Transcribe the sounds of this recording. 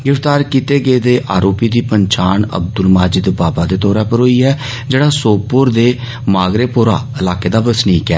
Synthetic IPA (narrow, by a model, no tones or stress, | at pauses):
ɡɾɪft̪aːɾkit̪eːɡəeːd̪eːʔaːɾoːpiːd̪iːpəɲt͡ʃaːɳə̰b̚d̪ʊlmaːd͡ʒɪd̪baːbaːd̪eːt̪ɔːɾɛːpəɾɦoːiːɦɛː | d͡ʒeːɽaːsoːpːʊɾd̪eː | maːɡɾeːpʊɾa̰ːɪlaːkeːd̪aːbəsniːkɛ̰ː